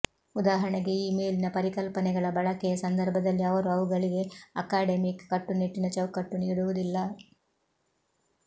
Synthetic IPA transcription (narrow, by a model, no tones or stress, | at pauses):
ud̪aːɦɐɳɛɡe̞iːme̞ːlinɐpɐɾikɐlpɐnɛɡɐɭɐbɐɭɐkɛjɐsɐnd̪ʱɐɾbʱɐd̪ɐlːiɐʋɐɾuɐʋuɡɐɭiɡe̞ɐkaːɖemikːɐʈːuneʈːinɐt͡ʃɐʋkɐʈːuniːɽuʋud̪ilːɐ